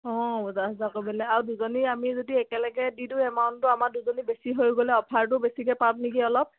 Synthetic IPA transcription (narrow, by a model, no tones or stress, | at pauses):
ɔ̃bɔzaɦɔzakobɛlɛaɹuduzoniamizodiɛkɛlɛɡɛdiduɛmaʊntʊamaduzonibesiɦojɡolɛɔpʰaɹt̬ʊbesikɛpabnikiɔlɔp̚